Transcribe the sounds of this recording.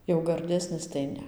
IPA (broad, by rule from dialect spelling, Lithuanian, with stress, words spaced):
jɛʊ ɡɐrʲˈdʲæːsʲnʲɪs tɐɪ ˈnʲɛ